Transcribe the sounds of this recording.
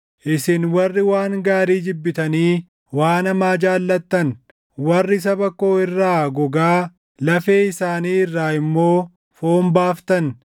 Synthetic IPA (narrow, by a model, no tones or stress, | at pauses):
ʔɪsɪnwɐrːɪwaːŋɡaːɾiːd͡ʒɪbːɪt̪ɐniː | waːnɐmaːd͡ʒaːlːɐt̪ːɐn | wɐrːɪs̬ɐbɐkːo̞ːɪrːaːɡɔɡaː | lɐfeːɪsaːniːɪrːaːɪmːo̞ː | foːmbaːft̪ɐn